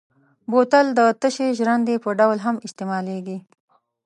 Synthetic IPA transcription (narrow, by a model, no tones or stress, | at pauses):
bot̪əld̪ət̪əʃeʒɾand̪epəɖawlɦamɪst̪emɑleɡi